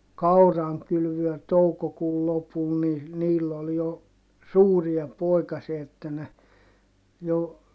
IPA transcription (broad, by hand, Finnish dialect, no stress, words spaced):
kɑurɑŋkylʋyø toukokuːl lopul ni niːlː ol jo suːriɑ poˑikɑsiɑ etːæ ne jo